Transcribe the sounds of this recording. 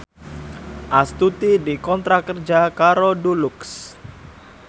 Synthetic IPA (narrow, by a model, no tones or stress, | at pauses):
ʔast̪ut̪idikɔnt̪ɾakərd͡ʒakaɾɔduluks